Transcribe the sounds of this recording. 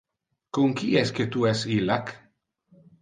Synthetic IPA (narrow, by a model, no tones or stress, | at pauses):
koŋkiɛsket̪uɛsilak